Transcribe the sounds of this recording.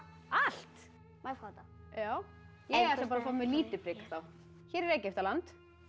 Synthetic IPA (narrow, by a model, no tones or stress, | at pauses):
al̥t̪ | majfkʰawt̪ajaːw | jɛɛ̥t̪apaɾafaːmɪliːt̪ɪpɾɪkḁθaw | çɛːɾɛɾeːjcɪeft̪alant̪